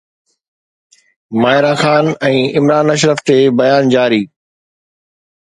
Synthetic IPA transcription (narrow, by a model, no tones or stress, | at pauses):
maːɦɪɾãːxaːnɛ̃ːɪmɾaːnɐʃ̬ɾəft̪eːbɐjaːnd͡ʑaːɾiː